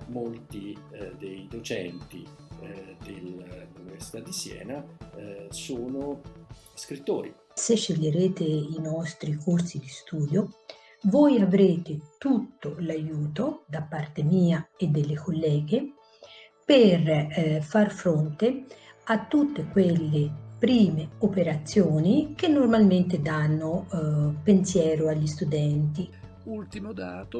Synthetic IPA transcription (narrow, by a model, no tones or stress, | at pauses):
molt̪id̪ejd̪ot͡ʃɛ̰nt̪ḭ | d̪elauniversi̥t̪ad̪ːisjɛ̰ːna | soːno | skɾit̪ːoːɾi | seʃːeʎːeɾeːt̪einɔst̪ɾikorsid̪ist̪uːd̪jo | vɔjavɾeːt̪et̪ut̪ːolajuːt̪od̪apːart̪emiːaed̪ːelːekʰolːɛːɡe | perfarfɾont̪eat̪ːut̪ːekwelːepɾiːmeopeɾat̪sːjoːnik̟enːormalment̪ed̪anːopensjɛːɾoaʎːist̪ud̪ɛnt̪i